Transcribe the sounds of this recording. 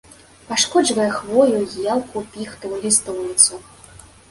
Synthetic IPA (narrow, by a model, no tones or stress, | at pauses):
paʂkɔd͡ʒvɐjɛxvɔjujalˠkupʲixt̪ɐvɨlʲist̪ɔwlʲit̪su